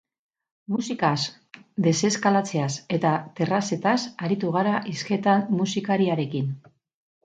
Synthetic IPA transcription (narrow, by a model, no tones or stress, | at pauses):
musikas | d̪e̞se̞skalat͡se̞ase̞t̪at̪e̞rase̞t̪asaɾit̪uɣ̞aɾaʔiske̞t̪anmusikaɾiaɾe̞kin